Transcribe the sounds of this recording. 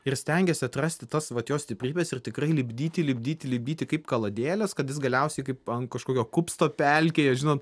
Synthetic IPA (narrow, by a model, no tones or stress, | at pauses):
ɪrsʲt̪ʲɛŋʲɡʲɛsʲɪɐt̪rɐsʲt̪ʲɪt̪ɐsʋɐt̪joːsʲt̪ʲɪpʲɾʲiːbʲɛsɪrt̪ʲɪkrɐɪlʲɪbʲd̪ʲiːt̪ʲɪlʲɪbʲd̪ʲiːt̪ʲɪlʲɪbʲd̪ʲiːt̪ʲɪkɐɪpkɐlˠɐd̪ʲeːlʲɛskɐt̪jɪs̬ɡɐlʲɛʊsʲɛɪkɐɪpɐnkɐʃkoːkʲoːkʊpst̪oːpʲæˑlʲkʲeːjɛʒʲɪnoːt̪